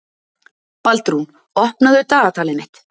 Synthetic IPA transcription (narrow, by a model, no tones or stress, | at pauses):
palt̪ɾun | ɔhpnaðʏɾt̪aːðat̪ʰaːlɪmɪht̪